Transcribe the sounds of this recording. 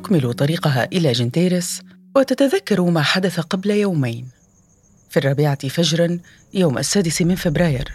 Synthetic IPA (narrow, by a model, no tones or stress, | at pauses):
t̪ʊkmɪlut̪ˤɑɾiːqɑɦa̰ʔɪlaːd͡ʒɪnt̪eːɾɪs | wɪt̪at̪aðakːɑɾˤumaːħad̪aθaqɑblajawmajn | fiːrˤːɑːbɪʕafad͡ʒɾˤɑn | jawmʔa̰sːaːd̪ɪsmɪnfɪbɾɑːjɪ̰ɾ